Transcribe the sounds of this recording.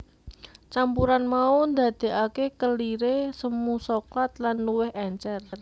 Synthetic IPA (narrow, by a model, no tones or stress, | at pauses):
t͡ʃampuɾanmaund̪a̤d̪̥e̤ʔakekəliɾesəmusɔklat̪̚lanːuwɪɦɛɲt͡ʃɛrr